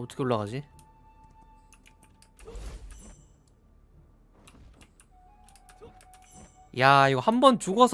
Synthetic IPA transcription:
ʌt͈ʰʌ̥kʰeoɭːaɣad͡ʑi | jaiɡʌhambʌnt͡ɕuɡʌsʰ

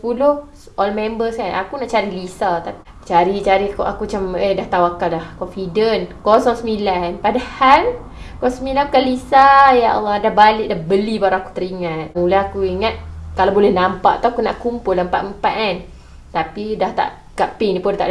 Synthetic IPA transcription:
sspulʊh | ʔɔlmɛmbəsanakunaʔt͡ʃaɾilisat̪api | t͡ʃaɾit͡ʃaɾikʔakuat͡ʃamədaht̪auakalahkɔnfidənkɔsɔŋsəmilanpadahal | kɔsmilapukalisajaa̰lːɔdahbalɪʔ̚dahbəlibawɾaaku̥t̪əɾiŋat̪̚ulaɦakuiŋat̪̚kalabolɛhnampaʔt̪uakunaʔkumpʊldampaʔ̪̚əmpaʔ̪an | t̪apidaht̪a̰ʔ | kaʔpinipʊnt̪a̰ʔ

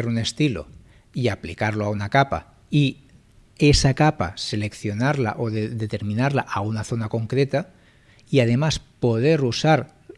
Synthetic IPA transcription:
eɾune̞st̪ilo̰ | iaplikaɾloaunakapa̰ | i | e̞sakapa̰se̞le̞kθjo̞naɾla̰ʔo̞ðeðe̞t̪e̞ɾmĩnaɾlaʔaunaθo̞nako̞ŋkɾe̞t̪a | iað̞e̞maspo̞ðe̞ɾusaɾ

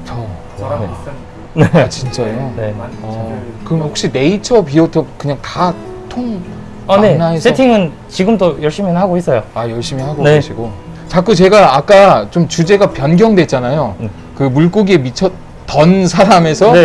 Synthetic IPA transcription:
t͡ɕʰʌ | eat͡ɕint͡ɕ͈ajoneʌkɯɾʌmehok̚ɕ͈ine̞it͡ɕʰʌpiotʰʌp̚kɯɲaŋta | tʰoŋ | anenːaɦesʰetʰiŋɯn | t͡ɕiɡɯmt͈ojʌɭɕ͈iminnhaɡois͈ʌjoajʌɭɕ͈imihaɡoneeɕʰiɡo | t͡ɕak͈ut͡ɕe̞ɡaːk͈at͡ɕomt͡ɕud͡ʑe̞ɡapjʌnɡjʌŋdwe̞t̚t͡ɕ͈anajo | kɯmuɭk͈oɡie̞mit͡ɕʰʌt̚ | tʌnsʰaɾame̞sʰʌe

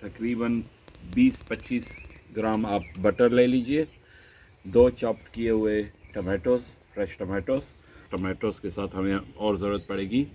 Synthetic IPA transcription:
t̪ɐkɾiːbən | biːspɐtːt͡ʃːiːsɡɾaːmaːp̚bɐʈəɾleːliːd͡ʒieː | d̪oːt͡ʃaːpʈkijeɦʊeʈɐmeːʈoːsfɾɛʃʈɐmɛːʈoːs | ʈɐmeːʈoːskesaːt̪ʰɦɐmẽɔːɾzɐɾuːɾət̪̚pɐɽeːɡiː

